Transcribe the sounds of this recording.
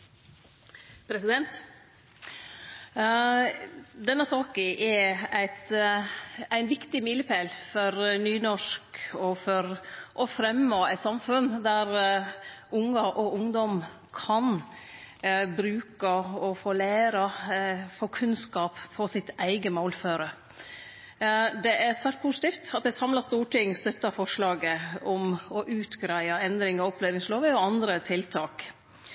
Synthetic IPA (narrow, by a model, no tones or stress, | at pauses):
pʰɾɛsɪd̪ɛnt̪ | d̪ɛnːəsɑːkəʔɛæɪt̪ | æɪnʋɪkt̪ɪmɪləpʰeːlfɔɾnyːnɔʂkɔfɔɾʔɔfɾɛmːoːæɪt̪sɑmfʉnd̪æɾ | ʔʊŋːɑʔɔʔʊŋd̪ɔm | kʰɑn | bɾʉːkəɔfoːlæɪɾɑfoːkʰʉnskɑːpfɔsɪt̪æɪɡəmoːlføːɾə | d̪ɛʔæɾsʋæːʈ̚pʰuːsɪt̪iːft̪ɑt̪̚d̪ɛsɑmlɑst̪uːʈɪŋːst̪œt̪ːɑfɔʂɭɑːɡəɔmɔʔʉːt̪ɡɾæɪɑɛnd̪ɾɪŋɑɔpʰlænɪŋsloːʋəɔɑnd̪ɾət̪ʰɪlt̪ʰɑːk